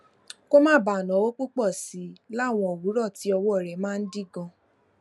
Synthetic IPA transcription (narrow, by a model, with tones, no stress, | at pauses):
ko˦mãː˦˨ba˨nã˨˦wo˦k͡pu˦k͡pɔ˦˨si˨˦la˦˨w̃ɔ̃˧o˨wu˨˦ɾɔ˦˨ti˨˦ɔ˧wɔ˦ɔ˦˨ɾɛ˨˦mãː˦˧n̩˦di˦˨ɡɔ̃˧